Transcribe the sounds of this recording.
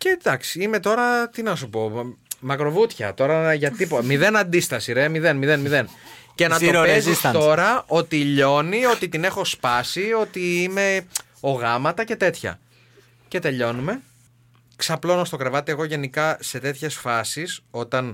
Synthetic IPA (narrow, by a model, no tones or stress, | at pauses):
ced̪ɐksi̥ime̞t̪o̞ɾɐt̪inɐsupo̞mɐkɾo̞vut̪çɐ̰t̪o̞ɾɐʝɐt̪ipomiðe̞nɐnd̪ist̪ɐsiɾemiðe̞nmiðenmiðe̞nce̞nɐt̪opezist̪o̞ɾɐo̞t̪iʎo̞nio̞t̪it̪ine̞xo̞spɐsio̞t̪iime̞ | o̞ɣɐmɐt̪ɐce̞t̪e̞t̪çɐ̰ | ce̞t̪e̞ʎo̞nume̞ | ksɐplo̞nost̪o̞kɾe̞vɐt̪ieɣo̞ʝe̞nikɐse̞t̪e̞t̪çe̞sfɐsiso̞t̪ɐn